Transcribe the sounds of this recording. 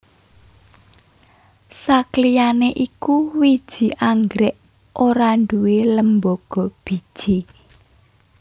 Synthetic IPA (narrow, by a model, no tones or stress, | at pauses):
saklijaneʔikuwid̥ʒ̥i̤ʔaŋɡɾɛʔ | ʔoɾaɳɖuweləmboɡ̥ɔ̤b̥i̤d̥ʒ̥i